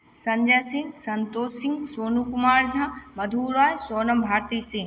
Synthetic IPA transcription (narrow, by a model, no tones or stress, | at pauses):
sɐ̃ɲd͡ʑasĩŋɡsɐnt̪oːsĩŋɡsoːnukumaːɾd͡ʒʱãmɐd̪ʱuːɾaːjsoːnəmbʱaːɾt̪iːsĩŋɡ